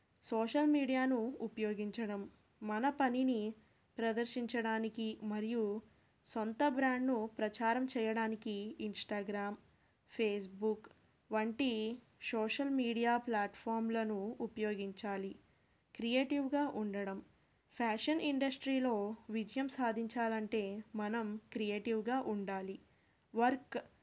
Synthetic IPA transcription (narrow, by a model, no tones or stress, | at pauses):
soːʃɐlmiːɽijaːnuupɐjoːɡiɲt͡ʃɐɽɐmː | ɐnɐpɐnini | pɾɐd̪ɐɾʃiɲt͡ʃɐɽaːnikimɐɾiju | sont̪ɐbɾaːɳɖnupɾɐt͡ʃaːɾɐmt͡ʃɛːjɐɽaːnikiːnsʈaːɡɾaːm | pʰeːs̬buk | ʋɐɳʈi | soːʂɐlmiːɽijaːplaːʈpʰaːɾmlɐnuːpɐjoːɡiɲt͡ʃaːli | kɾijeːʈiʋɡaːʔuɳɖɐɽɐm | pʰaːʂɐnʔiɳɖɐsʈɾiːlo̞ːʋid͡ʒɐjɐmsaːd̪ʱiɲt͡ʃaːlɐɳʈe̞ːmɐnɐmkɾijeːʈiʋɡaːʔuɳɖaːli | ʋɐɾk